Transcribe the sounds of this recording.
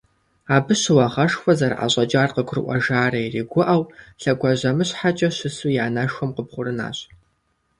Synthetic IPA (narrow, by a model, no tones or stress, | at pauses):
aːbɨɕɪwɐʁɐʂxʷɔzɐrʔa̰ɕʼɐt͡ʃʼaːrqəɡʷʊrɨ̰ʔʷɐ̰ʒaːrɐiriːɡʷʊʔɐwɬɐɡʷɐʑɐmɨɕħat͡ʃʼɐɕɪsujaːnɐʂxʷɔmqəpχʷʊɾɨna̰ːɕ